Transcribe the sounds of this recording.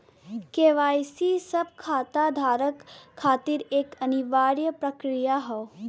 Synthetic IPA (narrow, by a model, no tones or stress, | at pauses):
keːʋaːjsisɐb̚kʰaːt̪ad̪ʱaːɾəkʰːaːt̪ɪɾeːkɐniʋaːɾjəpɾɐkɾijaɦɛ